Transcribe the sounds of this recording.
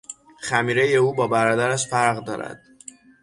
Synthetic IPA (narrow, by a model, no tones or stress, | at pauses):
xæmiːɾejeuːbɒːbæɾɒːd̪æɾæʃfæɾɣd̪ɒːɾæ̰d̪̥